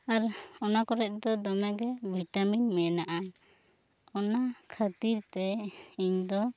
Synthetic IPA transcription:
aɾɔnakɔɾɛt̚ˀd̪ɔd̪ɔmɛɡɛbʱiʈaminmɛnaʔa | ɔnakʰat̪iɾt̪ɛiɲd̪ɔ

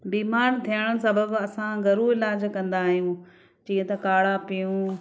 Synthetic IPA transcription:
biːmaːɾt̪ʰijəɽ̃əsɐbəbɐsãɡɐɾũɪlaːd͡ʑkɐ̃nd̪aːɦijũ | t͡ɕiːə̃t̪ɐkaːɽapijũː

